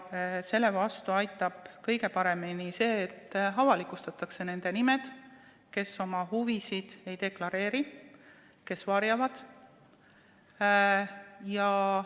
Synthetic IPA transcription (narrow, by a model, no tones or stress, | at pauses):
se̞lːe̞vɑst̪uɑjt̪ːˑɑb̥kɤjɡe̞pɑɾe̞minise̞ːt̪ːɑvɑlikˑust̪ɑt̪ːˑɑkse̞ne̞nd̪̥e̞nime̞d̪̥ | ke̞so̞mɑɦuvisid̪̥e̞jd̪e̞klɑɾe̞ːɾi | ke̞svɑɾjɑvɑd̪̥ | jɑ